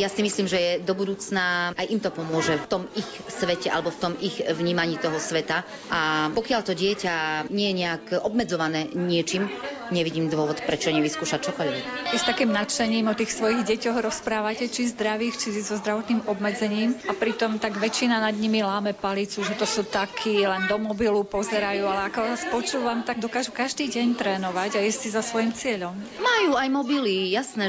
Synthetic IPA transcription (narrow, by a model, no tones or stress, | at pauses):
jasimisliːmʒɛjɛd̪ɔbud̪uːt͡snaajʔimt̪ɔpɔmʊɔʒɛft̪ɔmixsʋɛcɛa̰lɛbɔft̪ɔmiɣʋɲiːmaɲiːt̪ɔɦɔsʋɛt̪a | ʔapɔkɪaʎt̪ɔɟɪɛcaɲɪɛjɛɲɛakɔbmɛd͡zɔʋanɛːɲɪɛt͡ʃim | ɲɛʋiɟiːmd̪ʋʊɔʋɔt̪pɾɛt͡ʃɔɲɛʋiskuːʃac̚t͡ʃɔkɔʎʋɛkɛst̪akiːmnat͡ʃɛɲiːmɔt̪iːxsʋɔjiɣɟɛcɔɣɾɔspɾaːʋacɛt͡ʃizd̪ɾaʋiːxt͡ʃizɔzd̪ɾaʋɔt̪niːmɔbmɛd͡zɛɲiːmapɾit̪ɔmt̪aɡʋɛt͡ʃinanad̪ɲimilaːmɛpalit͡suʒɛt̪ɔsuːt̪akʰiːlɛnd̪ɔmɔbilupɔzɛɾajuːalɛakɔʋaːspɔt͡ʃuːʋamt̪aɡ̚d̪ɔkaːʒukaʒd̪iːɟɛɲt̪ɾɛːnɔʋaɟajɛssizasʋɔjimt͡sɪɛʎɔm | majuajmɔbilijasnɛ